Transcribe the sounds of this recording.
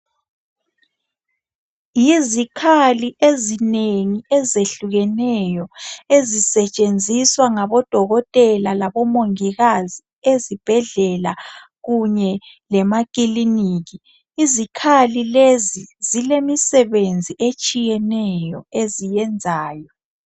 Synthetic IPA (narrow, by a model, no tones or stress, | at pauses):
jizikʰaliʔezineŋiɛzeɬuɣɛnɛjɔezisɛt͡ʃʼend͡zʱiswaŋaβɔd̥ʱɔɣɔtʼɛlalaβɔmoŋiɣazi | ezib̥ʱɛɮɛla | ɣuɲɛ | lɛmakʼiliniːɣiː | zikʰalilezizilemisɛβend͡zʱiʔet͡ʃʼijɛnɛjɔezijɛnd͡zʱaːjɔ